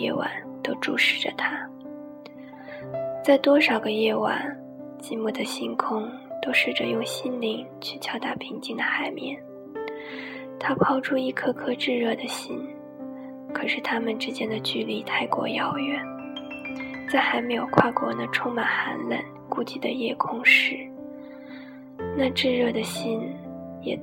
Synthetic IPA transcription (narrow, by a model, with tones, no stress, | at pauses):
jɛ̰˥˩wa̰˨˩˦nt̪o˥ʊʈ͡ʂu˥˧ʂɻ̩˨˥˩ʈ͡ʂə̰˨˩t̪ʰa˥ | t͡sa˥˩ɪt̪wɔ˥ʂɑ˨˩ʊɡə˦jɛ˥˩wa̰˨˩˦n | t͡ɕi˧˥mu˥˩d̪ə˩ɕi˥nkʰʊ˥ŋ | t̪o˥ʊʂɻ̩˥˩ʈ͡ʂə˩jʊ˥˧ŋɕi˥nli˧˥ŋ | t͡ɕʰy˥˩t͡ɕʰjɑ˥ʊt̪a˥˩pʰi˧˥ŋt͡ɕi˥ŋd̪ə˩xa˨˩ɪmjɛ̰˥˩n | t̪ʰa˥pʰɑ˥ʊʈ͡ʂʰu˥i˥˩kʰɤ˥kʰɤ˥ʈ͡ʂɻ̩˥˧ɻɤ˥˩d̪ə˩ɕi˥n | kʰɤ˨˩ʂɻ̩˥˩t̪ʰa˥mə˨nʈ͡ʂɻ̩˥t͡ɕjɛ˥nd̪ə˨t͡ɕy˥˧li˧˩t̪ʰa˥˩ɪkwɔ̰˧˥jɑ˧˩ʊjɛ˥˩˦n | t͡sa˥˩ɪxa˧˥ɪme˧˥jo˨˩ʊkʰwa˥˩kwɔ̰˧˥nə˧ʈ͡ʂʰʊ˥ŋma˨˩nxa̰˧˥nlə̰˨˩n | ku˥t͡ɕi˥˩d̪ə˩jɛ˥˩kʰʊ˥ŋʂɻ̩˥˩ | na˥˧ʈ͡ʂɻ̩˥˧ɻɤ˥˩d̪ə˩ɕi˥njɛ̰˨˩